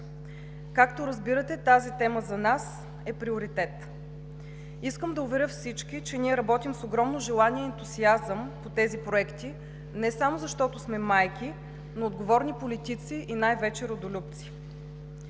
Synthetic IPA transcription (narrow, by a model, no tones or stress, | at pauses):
kakt̪oɾɐzbiɾət̪ɛt̪azit̪ɛməzɐnas | ɛpɾiʊɾit̪ɛt̪ | iskəmd̪ɐʊvɛɾʲjɤfsit͡ʃk̟it͡ʃɛniɛɾɐbɔt̪imsoɡɾɔmnoʒɛlˠaniɛːnt̪uziazəmpot̪ɛzipɾoɛkt̪i | nɛsamozɐʃt̪ɔt̪ʊsmɛmajkʲi | noːd̪ɡovɔɾnipolit̪it̪siʔinajvɛt͡ʃɛɾod̪olʲup̚t̪si̥